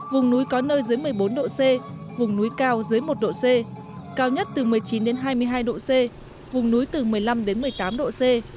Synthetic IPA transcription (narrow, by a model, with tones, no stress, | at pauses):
vʊ˨˩ŋ͡mnu˨˦jkɔ˨˦nəː˧jzɨ˨˦jmɨ˨˩əjɓo˨˦nɗo̰˧˨se˧vʊ˨˩ŋ͡mnu˨˦jkaː˧wzɨ˨˦jmo˨˩t̚ɗo̰˧˨se˧ | kaː˧wɲə˦˥t̚t̪ɨ˨˩mɨ˨˩əjt͡ɕi˨˦nɗe˨˦nɦaː˧jmɨ˧əjɦaː˧jɗo̰˧˨se˧ | vʊ˨˩ŋ͡mnu˨˦jt̪ɨ˨˩mɨ˨˩əjla˧mɗe˨˦nmɨ˨˩əjt̪aː˨˦mɗo̰˧˨se˧